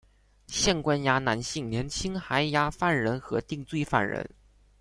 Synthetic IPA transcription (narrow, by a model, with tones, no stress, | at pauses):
ɕjɛ˥˩nkwa˥nja˧˥na˧˥nɕi˥˩ŋnjɛ˧˥nt͡ɕʰi˥ŋxa˧˥ɪja˧˥fa˥˩nɻə˧˥nxɤ˧˥t̪i˥˧ŋt͡swe˥˧ɪfa̰˥˩nɻə̰˧˥n